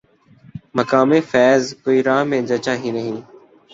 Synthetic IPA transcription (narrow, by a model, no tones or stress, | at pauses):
məkaːmẽːfɛːzkoːiːɾãːɦmẽːd͡ʒət͡ʃãːɦĩːnəɦĩː